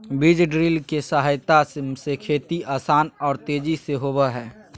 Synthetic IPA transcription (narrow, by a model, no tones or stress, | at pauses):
bid͡ʒɖɾilkesaɦajt̪asekʰeːt̪iaːsaːnɔːɾt̪eːd͡ʒiseɦobɛɦɛː